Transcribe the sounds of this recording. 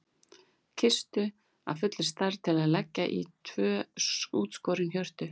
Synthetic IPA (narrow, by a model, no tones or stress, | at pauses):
cʰɪst̪ʏ | a̰fʏt̪lɪ̥st̪aɾt̪ʰɪlaðlɛcːaʔḭt̪ʰvœːuːt̪skɔːɾɪnhçjœr̥t̪ʏ